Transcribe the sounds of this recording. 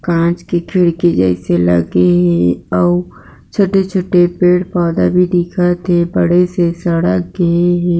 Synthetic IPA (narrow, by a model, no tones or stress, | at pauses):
kãːt͡ʃkekʰɪɽked͡ʒə̰ɪselə̰ɡeɦɛ̃ɔː | t͡ʃʰoʈet͡ʃʰoʈːepeːʈpɔːd̪a̰bʱid̪ikʰat̪ʰebəɽ̤esesəɽəkɡəeɦɛ̃ː